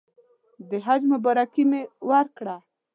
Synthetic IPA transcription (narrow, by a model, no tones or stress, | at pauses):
d̪əɦad͡ʒmabaɾakimewaɾkɽa